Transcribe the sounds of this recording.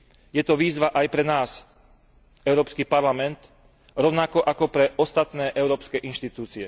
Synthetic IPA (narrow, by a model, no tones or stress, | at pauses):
jɛt̪ɔʋiːzʋaʔajpɾɛnaːs | ɛʊɾɔːpskipaɾlamɛnt̪ | ɾɔʊnakɔʔakɔpɾɛɔst̪at̪nɛːʔɛʊɾɔːpskɛʔinʃt̪it̪uːt͡siɛ